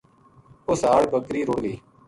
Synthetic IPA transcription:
ʊsaːɽbəkɾiːɾʊɽɡiː

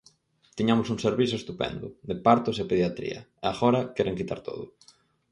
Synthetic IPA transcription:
t̪iɲamʊsuŋseɾβiθ̬ʊest̪upɛ̰nd̪ʊðepaɾt̪ʊsepeðjat̪ɾḭɐ̰eaɣɔɾɐkɛɾʔeŋkit̪a̰ɾt̪o̰ð̞ʊ̰

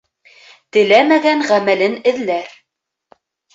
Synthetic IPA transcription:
t̪ɘ̆læmæɡæɴʁæmælɘnɘ̆ðlæɾ

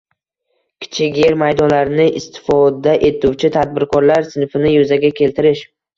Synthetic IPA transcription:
kʲʰɪ̥t͡ʃʰɪɡʲjeɾmajd̪ɒnlaɾɪnɪʔɪst̪ʰɪ̥fɒd̪aʔe̞t̪uwt͡ʃʰɪt̪ʰad̪̚bɪɾkʰɒɾlaɾsɪnfɪnɪjʊzaɡʲakʲʰe̞lt̪ɪɾɪʃ

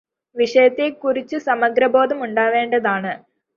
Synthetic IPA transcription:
ʋiʂɐjɐt̪ːekuɾit͡ɕːɨsɐmɐɡɾɐbo̞ːd̪ɐmuɳɖaːʋe̞ːɳɖɐðaːɳɨ

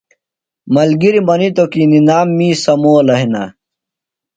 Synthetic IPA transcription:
mɐlɡiɾimɐnit̪okiːninaːmːiːsɐmoːlɐɦina̰

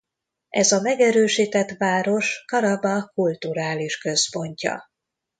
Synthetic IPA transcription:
ʔɛzɒmɛɡɛɾøːʃiːt̪ɛt̪ʋaːɾo̞ʃkɒɾɒbɒkult̪uɾaːliʃkøspo̞ɲcɒ̰

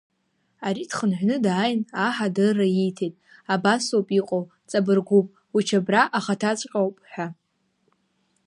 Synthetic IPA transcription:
aɾidχənħʷᶣnɨdaːjnaħadɨrajijtʰejtʼabasopʼiqʼow | t͡sʼabɨrɡʷupʼ | ut͡ʃʰabraʔaχatʰat͡sʷʼqʲʼawpʼħʷᶣa

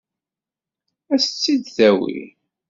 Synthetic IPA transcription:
æsə̥t͡sːid̪θæwḭ

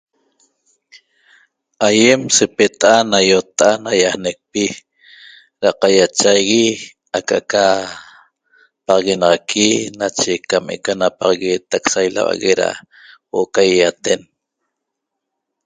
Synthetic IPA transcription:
ajemsepet̪aʔanajot̪ʔanajahnek̚pi | ɾaqajat͡ʃajɣi | akaʔka | pɑʁɑɣenɑʁɑkʰinat͡ʃekamḛkanapɑʁɑɣeːt̪aksajla̰wa̰ɣeɾa̰ | woʔokajjat̪en

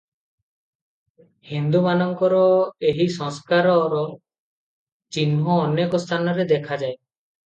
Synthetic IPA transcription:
hind̪umanɔŋkɔɾɔeɦisɔ̃ŋskaɾɔɾɔ | t͡ʃinɦɔːnekɔst̪ʰanɔɾed̪ɛkʰad͡ʒaj

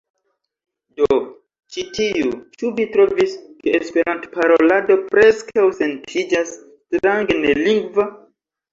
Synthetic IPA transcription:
do | t͡ʃitiut͡ʃuvitɾoviskeespeɾãntpaɾolado̞pɾeskʰawsentʰid͡ʒas | tɾaŋɡneliŋɡva

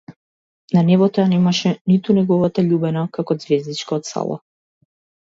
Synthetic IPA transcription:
nanɛvɔt̪ɔanɛmaʃɛnit̪unɛɡɔvat̪aʎubɛnakakɔd̪zvɛzd̪it͡ʃkaɔt̪sa̰lˠa̰

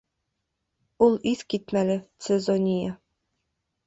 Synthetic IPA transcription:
ulˠiθkit̪mælɘt̪sezonʲija

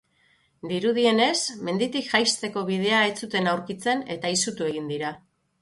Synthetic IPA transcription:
d̪iɾuðie̞ne̞sme̞nd̪it̪ikʝajst̪e̞ko̞β̞ið̞e̞ae̞t͡sut̪e̞nawɾkit͡se̞ne̞t̪aisut̪ue̞ɣ̞ind̪iɾa

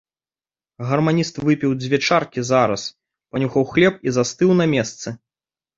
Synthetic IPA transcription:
ɣɐrmanʲist̪vɨpʲiwd͡zʲvʲɛt͡ʂarkʲizaɾɐ̰s | panʲuxɐwxlʲɛp̚izast̪ɨwnɐmʲɛst̪sɨ

